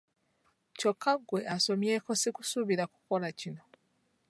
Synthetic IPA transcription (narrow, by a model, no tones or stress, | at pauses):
co̞kːaɡwe̞aso̞mje̞ːko̞sikusuβiɾaku̥ko̞lacino̞